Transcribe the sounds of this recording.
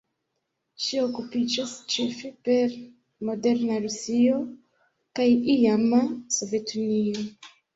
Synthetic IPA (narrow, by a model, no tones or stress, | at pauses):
ʃiokupid͡ʒast͡ʃefepe̞ɾ | mo̞de̞ɾnaɾusio̞ | kajijamaso̞ve̞tunio